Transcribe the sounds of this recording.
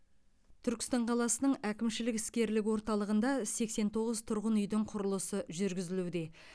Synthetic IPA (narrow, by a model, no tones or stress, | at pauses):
t̪ʰʏɾkʲɪ̥st̪ɑɴqʰɑlˠɑsənəɴækʲɪmʃɪlɪkɪ̥skʲe̞ɾlɪkʲwo̞ɾt̪ɑlˠəʁənd̪ɑse̞kse̞nt̪ʰo̞ʁəzt̪ʰʊɾʁənʏjd̪ɪɴqʰʊɾəlˠəsəʒʏɾɡʲɪzɪlud̪e̞